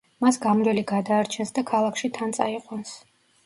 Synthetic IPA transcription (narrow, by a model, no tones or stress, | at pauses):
masɡamɾɛliɡad̪aːɾt͡ʃʰɛnsd̪akʰalˠakʰʃit̪ʰant̪sʼaiqʼwans